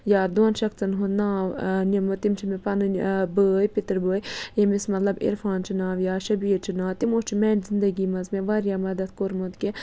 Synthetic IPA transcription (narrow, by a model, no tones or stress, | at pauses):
jaːd̪oːnʃɐkt͡sɐnɦunaːʋnimot̪imt͡ʃʰimepɐnɨbəːjpit̪ɾbəːjjemismɐt̪lɐbḭɾfaːnt͡ʃʰinaːʋjaːʃɐbiːɾt͡ʃʰinaːt̪imoːt͡ʃʰimɛːnzind̪ɐɡiːmɐzmeʋaːɾjaːmɐd̪ɐt̪koɾmot̪kʲi